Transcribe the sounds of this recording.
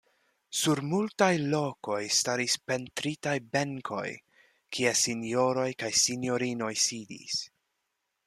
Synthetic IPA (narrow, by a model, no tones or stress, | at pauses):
suɾmultajlo̞ko̞jstaɾispe̞ntɾitajbe̞ŋkʰo̞̰j | kʰiesinjo̞ɾo̞jkajsinjoɾino̞jsidḭs